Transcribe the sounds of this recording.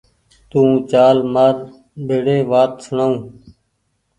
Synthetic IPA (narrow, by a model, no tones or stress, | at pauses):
t̪ũːt͡ʃaːlməɾ | bʱeːɽeːʋaːt̪̚səɳaːũː